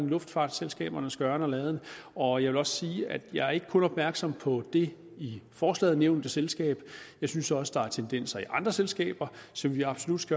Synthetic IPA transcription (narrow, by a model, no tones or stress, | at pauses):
nlɔ̽fd̥fɑ̰̈ːd̥selsɡ̥ɛ̰ːb̥ɐnəsɡ̥ɶɐnəɒ̽lɛːð̞̩ˠnəɒ̽jɑɪʋe̝lɒ̽ssiːæd̥jɑ̈ɪæɐe̝ɡ̥ə̥kʰɔ̽nɒ̽b̥̚mæɐɡ̥sɒ̽m̰pʰɒ̽d̥e̝ | ifɒːslɛ̰ːð̞̩ˠneʊnd̥əselsɡ̥ɛ̰ːb̥jɑ̈ɪsynsɒ̽səd̥ɑ̈æɐt͡sʰend̥en̰sɐiʔɑ̈nd̥ʁɐselsɡ̥ɛ̰ːb̥ɐsɒ̽mʋiɑ̈b̥so̝lud̥sɡ̥ɶ